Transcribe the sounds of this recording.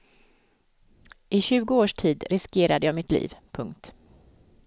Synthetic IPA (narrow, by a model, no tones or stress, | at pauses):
ʔɪɕʉ̟ːɡʊoːʂʈʰiːd̪ɾɪskeːɾad̪əjɑːɡmɪt̪ʰlḭːvpʰɵŋk̚t̪